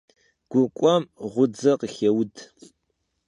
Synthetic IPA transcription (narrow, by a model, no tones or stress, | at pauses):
ɡ̥ʷʊkʷʼɔmʁʷʊd͡zɐqəxɐwd